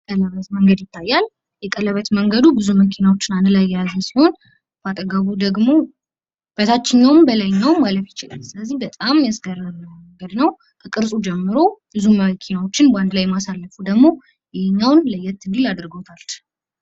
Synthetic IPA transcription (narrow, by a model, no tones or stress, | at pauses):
kʼələβət̪məŋɡəd̪jɪt̪ʰːajːal | jɛkʼələβət̪məŋɡəd̪ubɨzuməkʰinawo̞t͡ʃːɪnanɨlajːɛjazəsiho̞n | b̥at̪ʼəɡaβud̪əɡmo̞ | b̥ət̪ʰat͡ʃːɪɲːawmbəlajɪɲːawmːaləfjɪt͡ʃɪla̰lsɨləzːihbət̪ʼamjɛsɡəɾəmŋɡəd̪nəw | kʰəkʼɨɾsʼud͡ʒɛmːɨɾo̞bɨzuməkʰinawo̞t͡ʃːɪnband̪lajmasalːəfud̪əɡmo̞ | jɛhɲːawnləjːɛt̪ːɨɡ̪ɨlad̪ɾɡot̪ʰal